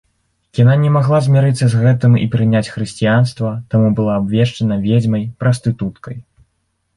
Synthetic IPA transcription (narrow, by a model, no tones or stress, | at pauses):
jʲananʲɛmaɣlˠazʲmʲaɾɨt̪sːɐzɣɛt̪ɨmḭpɾɨnʲat͡sʲxɾɨsʲt͡sʲijanst̪vɐt̪amubɨlˠaːbvʲɛʂt͡ʂɐnɐvʲed͡zʲmɐjpɾɐst̪ɨt̪ut̪kɐj